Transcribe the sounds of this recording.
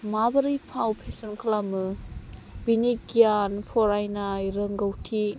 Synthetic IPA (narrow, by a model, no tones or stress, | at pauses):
mabɐɾijpʰawpʰesɔnkʰlamɯ | biniɡianpʰɔɾajnajɾəŋɡəwtʰi